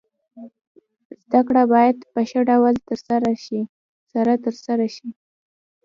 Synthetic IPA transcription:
zd̪akɽabɑjad̪pəʃəɖawalt̪əɾsaɾaʃi | saɾat̪əɾsaɾaʃi

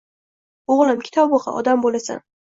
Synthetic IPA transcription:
oʁlˠɪmkʲʰɪ̥t̪ʰɒbbʊχɑ̰ʔɒ̰d̪ambolasa̰n

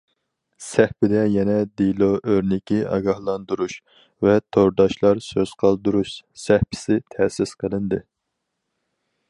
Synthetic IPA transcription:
sɛhpɪd̪ɛjɛnɛd̪ilˠoʔøɾnɪkʲiʔɑ̰ɡɑhlˠɑnd̪uɾuʃ | vɛt̪ʰoɾd̪ɑʃlˠɑɾsøz̥qʰɑlˠd̪uɾuʃsɛhpʰɪ̥sɪt̪ʰɛːsɪsqʰəlˠɨnd̪ɨ

